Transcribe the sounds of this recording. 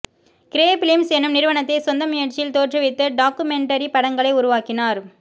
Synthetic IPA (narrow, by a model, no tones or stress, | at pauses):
kɪɾeːpɪlɪmsɛnːɯmnɪɾɯʋɐnɐt̪ːɐɪsɔnd̪ɐmʊjɐɾt͡ʃːɪjɪlt̪oːʈrɯʋɪt̪ːɐɖaːkɯmɛɳʈɐɾipɐɽɐŋɡɐɭɐɪʊɾʊʋaːkɪnaːɾ